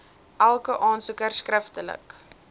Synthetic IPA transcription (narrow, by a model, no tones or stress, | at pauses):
ʔælˠkəʔɑːnsəkərskrəftələ̰k